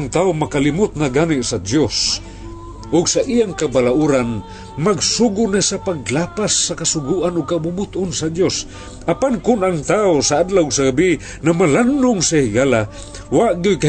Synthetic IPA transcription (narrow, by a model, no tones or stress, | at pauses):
aŋt̪aʊmakalɪmʊt̪̚naɡaniʔsad̪jos | ʔʊɡsaʔijaŋkabalaʔuɾan | maɡsuɡʊnasapaɡlapasːakasʊɡuʔanʊɡ̚kabʊbʊt̪ʔʊnsad̪jos | ʔapankʊnaŋt̪aʊsaʔad̪lawʊɡsaɡabi | namalandʊŋsahɪɡala | waʔɡʊjka